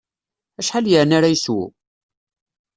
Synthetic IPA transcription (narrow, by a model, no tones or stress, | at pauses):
æʃħaljəʕnaɾajəswṵ